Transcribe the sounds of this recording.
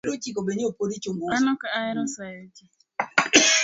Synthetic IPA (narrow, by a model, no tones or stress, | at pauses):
ɾot͡ʃikobeɲopoɾit͡ʃoŋɡoanɔkaaɛɾɔsajɔt͡ʃɛ